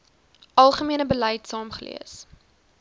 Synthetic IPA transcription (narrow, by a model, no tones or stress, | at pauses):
ʔɐlˠχəmiənəbəlɛjtsɑːmχəlḭəs